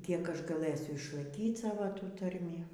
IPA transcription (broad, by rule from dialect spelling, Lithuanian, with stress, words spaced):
ˈkʲiɛk ˈɐʃ ɡɐˈlˠɘsʲʊ ɪʃlˠɐɪˈkʲiːt ˈsɑːʋoː ˈtuː ˈtɐrʲmʲiː